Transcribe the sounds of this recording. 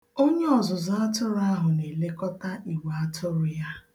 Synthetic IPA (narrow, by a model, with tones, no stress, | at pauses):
o˦ɲe˦ɔ˨zʊ˨zʊ˦a˦tʊ˦ɾʊ˦a˦ɦʊ˨ne˨le˦kɔ˦ta˦i˨wa˨a˦tʰʊ˦ɾʊ˨ja˦